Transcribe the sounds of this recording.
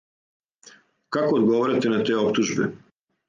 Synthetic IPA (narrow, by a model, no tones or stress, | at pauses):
kakoːd̪ɡoʋoɾat̪enat̪eːopt̪uʒbɛ̰